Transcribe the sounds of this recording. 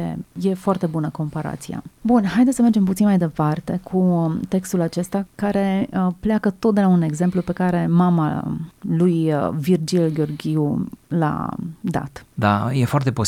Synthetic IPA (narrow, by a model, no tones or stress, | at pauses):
ḛje̞foart̪e̞bunəko̞mpaɾa̰t̪sija̰bunhajd̪esəmerd͡ʒe̞mp̬ut̪sinmajd̪e̞part̪e̞kʰut̪e̞kst̪ulat͡ʃe̞st̪akaɾe̞pleakət̪ot̪d̪e̞laune̞ɡze̞mplupe̞kaɾe̞mama̰lujvird͡ʒilɡʲeo̞rɡʲiula̰d̪a̰t̪d̪a̰jefoart̪epo